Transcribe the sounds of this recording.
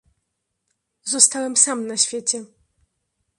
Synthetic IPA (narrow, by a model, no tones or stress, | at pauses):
zɔst̪awɛmsamnaɕfʲjet͡ɕɛ